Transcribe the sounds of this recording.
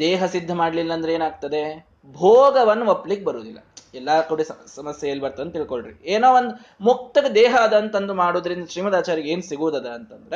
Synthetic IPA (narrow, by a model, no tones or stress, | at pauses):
d̪ɛːɦɐsid̪ʱːɐmaːɽlilːɐːnd̪ɾeeːnaːɡ̚t̪ɐd̪e̞ | bʱoːɡɐʋɐnːuɐpːlikːebɐɾoːd̪ilːɐ̰ɛlːakuɽisɐsɐmɐsjɐelːbɐɾt̪ɐd̪ɐnt̪iɭkoɭɖɾḭeːnoːʋond̪u | muk̚t̪ɐɡɐd̪ɛːɦɐːd̪ɐnt̪ɐnd̪umaːɽoːd̪ɐɾind̪ɐʃɾiːmɐd̪aːt͡ʃaːɾiɡeːnusiɡuʋud̪ɐd̪ɐɐnt̪ɐnd̪ɐɾe